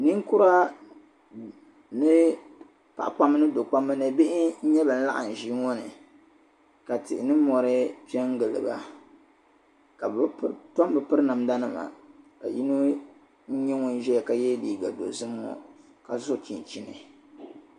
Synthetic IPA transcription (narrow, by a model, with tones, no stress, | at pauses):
nɨ˦ŋkʊ˦ɾa˦ | nɨ˦ | pa̰˦˨ʔpa˦m˦nɨ˦do˨k͡pa˦mːɨ˦nɨ˨bɪ˦ʔɪ˦ɲ̩˦ɲɛ˦bɨ˨n̩˦la̰˦ʔa˨n̩˨ʒi˦ŋɔ˦nɨ˨ | ka˨tɪ˨ʔɪ˨nɨ˦mɔ˨ɾɨ˦pɛ˦ŋ˦ɡɨ˨lɨ̰˨ba̰˨ | ka˨btɔ˦mbɨ˨pɨ˦ɾɨ˦nɨ˨mda˦nɨ˦ma̰˨ka̰˨ji˦nu˦ | ɲ̩˦ɲɛ˦ŋʊ˦n˦ʒɛ˦jka˨jɛ˦li˨ɡa̰˨do̰˨zɨ˦m˦ɔ̰˨ | ka˨zʊ˦˨t͡ʃi˨n˨t͡ʃi˦nɨ̰˨